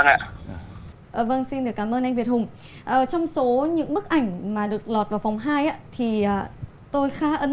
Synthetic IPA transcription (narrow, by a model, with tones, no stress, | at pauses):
ŋa̰ː˧˨ | ʔəː˨˩və˧ŋsi˧nɗɨ˨˩əkːaː˨˦mʔəː˧nʔa˧j̟vi˨˩ət̚hʊ˨˩ŋ͡m | ʔəː˨˩t͡ɕɔ˧wŋ͡mso˨˦ɲɨ̰˧˥ŋɓɨ˦˥k̚ʔa˧˩jŋ̟maː˨˩ɗɨ˨˩ək̚lɔ˨˩t̚vaː˨˩wfɔ˨˩wŋ͡mɦaː˧jʔaː˧˦t̪ʰi˨˩ʔəː˨˩ | t̪o˧jxaː˨˦ʔə˨˧˦